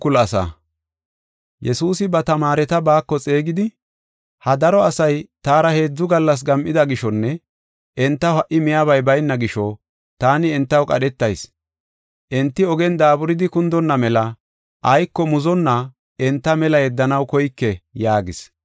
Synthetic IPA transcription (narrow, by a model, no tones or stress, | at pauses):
ʊlɐsa̰ | jɛsuːsɪbɐt̪ɐmaːɾɛt̪ɐbaːkːɔt͡sʼeːɡɪd̪ɪ | hɐd̪ɐɾɔɐsɐjt̪aːɾɐhe̞ːd͡zːʊɡɐlːɐs̬ɡɐmʔɪd̪ɐɡɪʃɔnːɛ | ʔɛnt̪ːɐhɐʔːɪmɪjaːβɐjbɐjnːɐɡɪʃɔ | t̪aːnɪɛnt̪ːɐwkʼɐ̰ɗɛt̪ːɐjs | ʔɛnt̪ːɪɔɡɛnd̪aːbʊɾɪd̪ɪkʊnd̪ɔnːɐmɛlɐ | ʔɐjkːɔmʊzɔnːɐ | ɛnt̪ːɐmɛlɐjɛd̪ːɐnɐwkɔjkːɛjaːɡɪs